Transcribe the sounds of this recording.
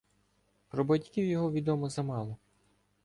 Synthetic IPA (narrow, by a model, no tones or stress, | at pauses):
pɾɔbɐdʲkʲiwjɔɦɔʋʲid̪ɔmɔzɐmɑlˠɔ